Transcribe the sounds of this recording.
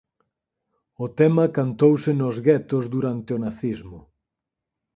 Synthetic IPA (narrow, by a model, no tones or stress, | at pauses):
ʊt̪ɛmɐkant̪owsɪnozɣɛt̪ozd̪uɾant̪ɪʊnaθizmʊ